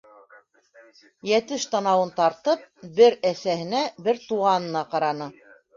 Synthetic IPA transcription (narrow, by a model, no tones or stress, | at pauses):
jæt̪ɘʃt̪ɑnɑwɤnt̪ɑɾt̪ɤp̚bɘɾæθæhɘ̆næbɘɾt̪uʁɑnɤ̆nɑqɑɾɑnɤ